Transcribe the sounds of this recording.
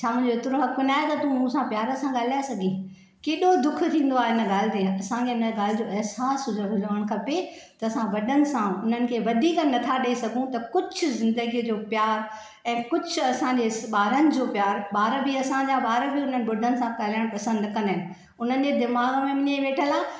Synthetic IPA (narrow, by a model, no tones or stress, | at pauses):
t͡ɕʰaːmʊ̃ːɲd͡ʑoɪt̪ɪɾoɦɐkːʊnaːɦet̪ɐt̪ũmũsãpjaːɾəsãɠaːlaːesɐɡʱĩː | keːɗod̪ʊkʰt̪ʰĩːn̆d̪oaːɦeɪnə̆ɠaːl̤ɪd̪eɐsãkʰeɪnəɡaːlɪd͡ʑoɛɦsaːsɦʊzɦʊzʋaːɽ̃kʰɐpe | t̪ɐːsãʋɐɖʱənɪ̆sãʊn̤ənɪ̆kʰeːʋɐd̪ʱiːknɐt̪ʰaɗɐisɐɡʱũt̪ɐkʊd͡ʑʱʊ̆zɪ̃nd̪əɡijəd͡ʑoːpjaːɾ | ɛ̃ːkʊd͡ʑʱʊɐsãɲd͡ʑesɓaːɾənɪ̆d͡ʑoːpjaːɾɓaːɾəbiɐsãd͡ʑaɓaːɾəbʱiʊn̤ənɪ̆ɓʊɖʱənɪ̆sãkaːlaːɪɽ̃pɐsə̃nd̪kɐnd̪ɦɪnɪ̆ | ʊn̤ənɪ̆d͡ʑed̪ɪmaːɣəmẽmɪneʋeːʈʰəlaː